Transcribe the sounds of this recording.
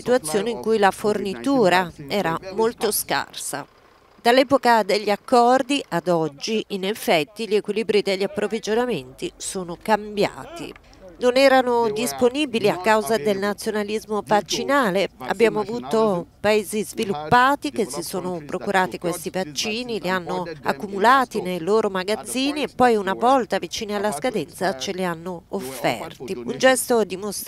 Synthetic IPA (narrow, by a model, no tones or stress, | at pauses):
sit̪uwat̪sːjoːneiŋkujlafornit̪uːɾaɛːɾamolt̪oska̰rsa̰ | d̪alːɛːpokad̪eʎːiakːɔrd̪iʔad̪ɔd͡ʒːiʔinefɛt̪ːiʎekwiliːbɾid̪eʎːapːɾovid͡ʒonament̪isoːnokambja̰ːt̪ḭ | nonɛːɾanod̪isponiːbiliakːawzad̪elnat̪sːjonalizmovat͡ʃːinaːlea̰bːjaːmoavuːt̪opaeːzizvilupːaːt̪ikesːisoːnopɾʔokuɾʔaːt̪ikwest̪ivat͡ʃːiːnilianːoa̰kːumulaːt̪inejloːɾomaɡad̪ziːniepːɔjunavɔlt̪avit͡ʃiːnialːaskad̪ɛnt̪sat͡ʃelianːoːfːɛ̰rt̪iund͡ʒɛst̪od̪imos